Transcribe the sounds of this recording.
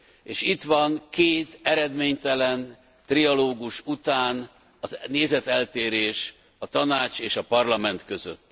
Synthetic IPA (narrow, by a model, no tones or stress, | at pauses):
eːʃit̪ʋɒŋkeːt̪ɛɾɛd̪meːɲt̪ɛlɛn | t̪riɒloːɡuʃut̪aːn | ɒzneːzɛt̪ɛlt̪eːɾeːʃ | ɒt̪ɒnaːt͡ʃeːʃɒpɒrlɒmɛnt̪kø̞zø̰t̪ː